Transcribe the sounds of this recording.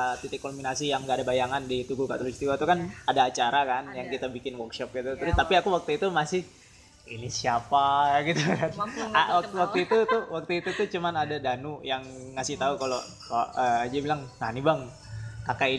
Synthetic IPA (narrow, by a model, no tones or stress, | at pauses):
t̪it̪ɪkːombinasijaŋɡadabajaŋandit̪uɡuka̰t̪ulusi̥t̪iwat̪ukanadaːt͡ʃaɾakanjaŋkit̪abikɪnwɔrkʃɔp̚ɡit̪ut̪uɾʊt̪apiakuwak̚t̪uit̪umasɪh | inisiapaɡit̪ukanaat̪wak̚t̪uit̪ut̪uwak̚t̪uit̪ut̪ut͡ʃumanadadanujaŋː | asɪht̪aukalo | kaəd͡ʒadibilaŋŋanibaŋ | kakai